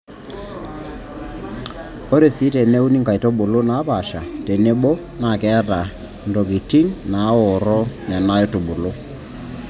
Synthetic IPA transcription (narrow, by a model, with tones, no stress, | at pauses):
o˦ɾe˨si˨˦tɛ˨ne˦u˦ni˦ŋka˨i˨tɔ˦ɓo˨lo˦na˨˦pa˨ʃa˨te˨ne˦ɓɔ˦ | na˨kɛ˦a˦ta˨ | ndɔ˨ki˨ti˦nna˨˦wɔ˨ɾɔ˦nɛ˨na˦jɔ˦to˨ɓo˨lo˦